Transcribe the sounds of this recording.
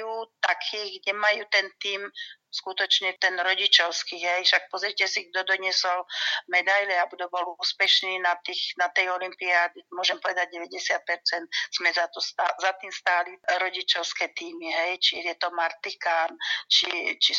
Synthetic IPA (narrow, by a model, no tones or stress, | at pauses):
juːt̪akʰiːɡɟɛmajuːt̪ɛnt̪iːm | skut̪ɔt͡ʃɲɛt̪ɛnɾɔɟit͡ʃɔʊskiɦɛjʃak̚pɔzɾicɛsiɡ̚d̪ɔd̪ɔɲɪɛsɔlmɛd̪ajlɛabud̪ɔbɔluːspɛʃniːnat̪iːxnat̪ɛjɔlimpiaːd̪imʊɔʒɛmpɔʋɛd̪aɟ̚ɟɛʋɛɟɛsɪat̪̚pɛɾt͡sɛnt̪z̥mɛzat̪ɔsazat̪iːmst̪aːliɾɔɟit͡ʃɔʊskɛːt̪iːmiɦɛjt͡ʃijɛt̪ɔmaɾt̪ikaːnt͡ʃit͡ʃi